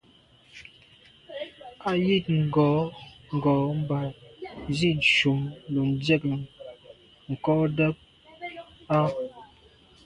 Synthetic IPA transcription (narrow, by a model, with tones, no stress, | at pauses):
a˨ji˦˨t̚ŋ̩˨ɡɔ˨˦ŋ̩˨ɡɔ˨˦m̩˦ba˨zi˦˨n̩˨ʃu˨mlu˨n˨˦dɛ˦˨k | ŋ̩˨kɔ˦də˦p̚ | a˦